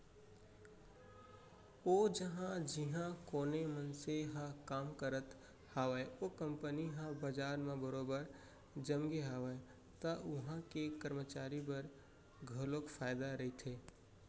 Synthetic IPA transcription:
oːd͡ʒəɦãd͡ʒɪɦãkoːnemənseɦãkaːmkəɾət̪ | haːʋəjokə̃mpəniɦãbəd͡ʒaːɾmẽbəɾoːbəɾ | d͡ʒəmɡeɦaːʋəe | t̪əʊɦãkekəɾmət͡ʃaːɾibəɾ | ɡʱəlokfʰaːjd̪aɾəit̪ʰeː

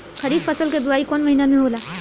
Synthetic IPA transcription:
xɐɾiːbfɐsəlked̪ʊaːikɔːnmɐɦiːnamẽɦoːlaː

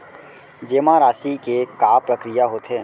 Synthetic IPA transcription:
d͡ʒeːmãɾaːʃikekaːpɾəkɾijaɦoːt̪ʰeː

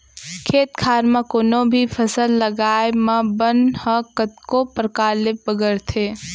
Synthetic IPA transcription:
kʰeːt̪kʰaːɾmãkoːnobʱipʰəsəlːəɡaːemɐ̃bənhə̃kət̪kopɾkaːɾlɪp̚bəɡəɾt̪ʰeː

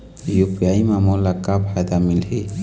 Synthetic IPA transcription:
jupijajmamɔlakabʱajd̪amilɦe

